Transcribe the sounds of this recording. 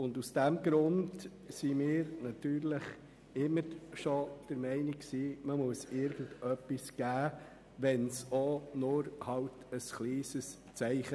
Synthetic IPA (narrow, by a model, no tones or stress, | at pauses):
ʊndusd̥æmɡɾʊnd | simɪːɾnɑt̪yːɾləχ | ɪmːəɾʃɔd̥əɾmɛɪnikksiːməmuəsɪɾɡəndœpːisɡ̥æː | ʋɛnsonʊɾhɑwtəsχliːsəs | t͡sɛɪχə